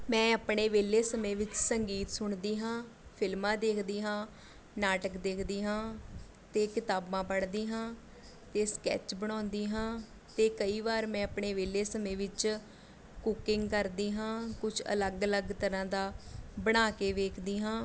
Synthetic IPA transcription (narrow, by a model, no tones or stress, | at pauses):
mɛ̃ːəpɳeːʋeːleːsəmẽːʋɪt͡ʃsəŋɡiːt̪sʊɳd̪iːɦãː | pʰɪlmãːd̪eːkʰd̪iːɦãː | naːʈəkd̪eːkʰd̪iːɦãː | t̪eːkɪt̪aːbãːpəɽd̪iːɦãː | t̪eːskɛ̰ːt͡ʃbəɽ̃ãːnd̪iːɦãː | t̪eːkəiːʋaːɾmɛ̃ːəpɳeːʋeːleːsəmẽːʋɪt͡ʃ | kʊkɪŋɡkəɾd̪iːɦãːkʊt͡ʃʰə̰ləɡələɡt̪əɾãːd̪aːbəɽ̃aːkeːʋeːkʰd̪iːɦãː